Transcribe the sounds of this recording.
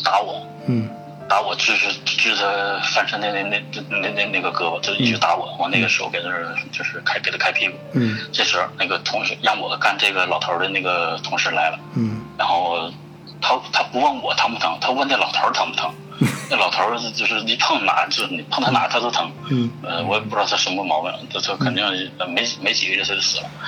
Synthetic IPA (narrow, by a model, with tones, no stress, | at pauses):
t̪a˧˥wɔ˨˩˦ | t̪a˧˥wɔ˨˩t͡ɕy˥˧ʂ̩˥˧˥ʈ͡ʂ̩˥˩d̪ə˧fa˥˩nʂə˥ne˧˥˧ne˥˧˥n˥˧ne˥˧ne˥˩ɡə˩kɤ˧˥bə˨˩t͡ɕjo˥˩ʊi˨˩t͡ɕy˥˩t̪a˧˥wɔ˨˩d̪ə˧˥xna˥˩ɡə˩ʂɻ̩˧˥xo̰˥˧ke˨˩d̪ʂ̩˥˧˥t͡ɕjo˥˧ʊʂɻ̩˥˧kʰa˥ɪke˨˩d̪ə˥kʰa˥ɪpʰi˥˩ku˨˦ʈ͡ʂe˥˩ʂɻ̩˧˥na˥˩ɡə˩t̪ʰʊ˧˥ŋɕɛ˧˥ɻɑ˥˩ŋwɔ˨˩ka˥˧nʈ͡ʂɤ˥˩ɡə˩lɑ˨˩ʊt̪ʰə˧˥d̪ə˧ne˥˩ɡə˩t̪ʰʊ˧˥ŋʂɻ̩˥˩la̰˧˥ɪlə˧ɻa˧˥nxo˥˩ʊ | t̪ʰa˥t̪ʰa˥pu˧˥wɑ˥˩ŋwɔ˨˩˦t̪ʰə˧˥ŋpu˥˩t̪ʰɤ˧˥ŋt̪ʰa˥˧˥na˥˩lɑ˨˩ʊt̪ʰə˞˧˥t̪ʰɤ˧˥ŋpu˥˩t̪ʰɤ˧˥ŋ | na˥˩lɑ˨˩ʊt̪ʰə˧˥˧t͡ɕjo˥˧ʊʂɻ̩˥˩ni˨˩pʰɑ˥˩ŋna̰˨˩˦t͡ɕjo˧˥ʊʂ̩˥ni˨˩pʰɑ˥˧ŋt̪ʰa˥na̰˨˩t̪ʰa˥o˥ʊt̪ʰɤ˧˥ŋə˧wɔ˧˥jɛ˨˩pu˥ʈ͡ʂɻ̩˥d̪ʰa˥ʂə˧˥ŋmu˥˧mɑ˧˥ʊwə̰˧˥˩n˨˩t̪to˥˩kʰə˨˩t̪i˥˧ŋ˥ə˧me˧˥ɪ˩me˧˥ɪt͡ɕi˨˩ɡə˦ɻɛ˥˩o˥o˥˩sɹ̩˨˩lə˦